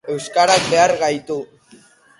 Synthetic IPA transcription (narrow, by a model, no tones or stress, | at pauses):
e̞wskaɾak̚be̞aɾɣajt̪u